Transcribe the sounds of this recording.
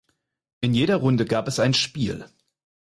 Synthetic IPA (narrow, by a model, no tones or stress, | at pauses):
ʔɪnjeːɾɐʁʊndəɡaːpɛsaɪnʃpiːl